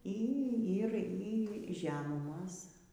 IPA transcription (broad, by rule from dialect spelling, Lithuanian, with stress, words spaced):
ˈiː ˈiː ˈɪr iː ˈʒʲæːmʊmoːs